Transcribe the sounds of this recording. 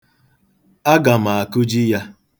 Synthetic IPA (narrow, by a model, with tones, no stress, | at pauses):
a˦ɡa˨m̩a˨a˨kʊ˦d͡ʒi˦ja˦